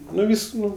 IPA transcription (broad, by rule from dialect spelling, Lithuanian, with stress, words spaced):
ˈnʊ ˈʋʲiːs ˈnʊ